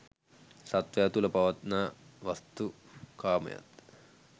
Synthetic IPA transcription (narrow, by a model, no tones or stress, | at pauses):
sɐt̪ʋɐjɐt̪ulɐpɐʋɐt̪naːʋɐst̪u | kaːmɐ̰jɐ̰t̪